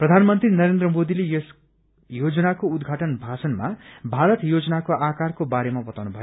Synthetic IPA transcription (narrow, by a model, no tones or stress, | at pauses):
prʌd̪ʱanmʌnt̪rinʌɾend̪rʌmod̪ilejʌs | jod͡zʌnakoud̪ɡʱaʈʌnbʱasʌnma̰bʱaɾʌt̪jod͡zʌnakoʔakarkobaɾemabʌt̪awnubʱʌjoo